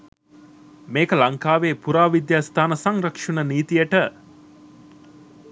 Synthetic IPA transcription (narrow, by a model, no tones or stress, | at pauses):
meːkəlɐŋkaːʋeːpuɾaːʋid̪jaːst̪ʰaːnəsɐŋɾɐkʂunəniːt̪ijəʈə